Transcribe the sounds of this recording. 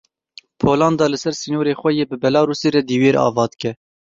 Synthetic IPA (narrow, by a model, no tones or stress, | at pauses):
pʰoːlɑːnd̪ɑːlɨsɛɾsiːnoːɾeːxʷɛjeːbɨbɛlɑːɾuːsiːɾɛd̪iːweːɾʔɑ̰ːvɑːd̪kɛ